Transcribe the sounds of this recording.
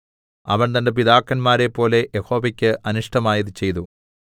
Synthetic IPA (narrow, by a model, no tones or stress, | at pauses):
ɐ̰ʋɐɳt̪ɐnde̞p̬iðaːkːɐnmaːɾe̞pːo̞ːle̞ʔjeho̞ːʋɐkʲːɨʔɐnuʂʈɐmaːjɐðɨt͡ɕe̞jt̪u